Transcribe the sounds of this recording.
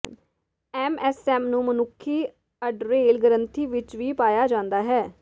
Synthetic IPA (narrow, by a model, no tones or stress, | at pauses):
ɛːmɛːsɛːmnũːmənʊkʰːiː | əɖɾeːlɡəɾə̃nt̪ʰiːʋɪt͡ʃʋiːpaːjaːd͡ʒãːnd̪aːɦɛː